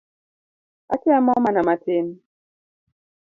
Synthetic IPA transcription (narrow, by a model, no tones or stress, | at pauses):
akiamɔmanamaten